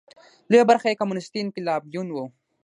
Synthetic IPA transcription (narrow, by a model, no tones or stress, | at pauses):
lebaɾxaekamunɪst̪inkilɑːb̚d̪unwo